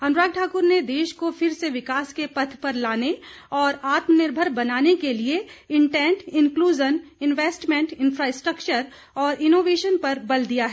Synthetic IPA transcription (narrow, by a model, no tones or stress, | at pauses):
ɐ̃nɾaːɡ̚ʈʰaːkʊɾned̪eːʃkofʰɪɾseʋɪkaːskepɐt̪ʰpɐɾlaːne | ɔːɾaːt̪mənɪɾbʱəɾbɐnaːnekelieɪ̃ɳʈɛ̃ːɳʈɪ̃nkluːd͡ʒənɪnʋeːsʈmɛ̃ɳʈɪ̃nfɾaːɪsʈɾəkt͡ʃəɾ | ɔːɾɪnoːʋeːʃənpɐɾbɐld̪ijaɦɛ